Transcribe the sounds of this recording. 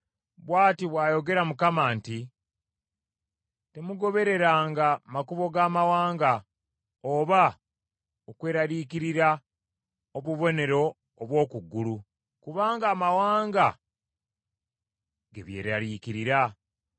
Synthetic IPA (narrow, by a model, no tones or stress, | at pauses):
βwaːtiβwaːjo̞ɡe̞ɾamukamaːnti | te̞muɡo̞βe̞ɾe̞ɾaːŋɡamakuβo̞ɡaːmawaːŋɡa | oβa | okwe̞ːɾaɾikiɾiɾa | oβuβo̞ne̞ɾo̞ː | βwo̞ːkuɡːulu | kuβaːŋɡaːmawaːŋɡa | ɡe̞̰βje̞̰ːɾaɾiːkiɾiɾa